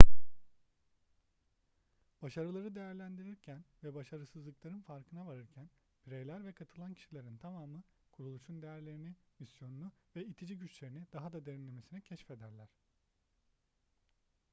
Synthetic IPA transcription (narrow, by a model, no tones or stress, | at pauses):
b̥aʃaɾɯlˠaɾɯd̪e̞jæɾlʲænd̪iɾiɾcʰænvɛbaʃaɾɯsɯzlˠɯklˠaɾɯnfaɾkʰɯnavaɾɯɾcʰæn | biɾejlʲæɾvɛkʰat̪ʰɯlˠancʰi̥ʃilʲe̞ɾint̪ʰamaːmɯ | kʰuɾulˠuʃund̪ejæɾlʲe̞ɾinimisjo̞nunuvɛit̪ʰid͡ʒiɟyt͡ʃlʲe̞ɾinid̪̥aɦad̪ad̪e̞ɾinlʲe̞me̞sinɛcʰɛʃfe̞d̪æɾlʲæɾ̥